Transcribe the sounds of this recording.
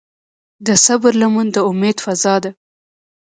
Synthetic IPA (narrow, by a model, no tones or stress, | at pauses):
d̪əsabɾlamund̪əʊmed̪fazɑd̪a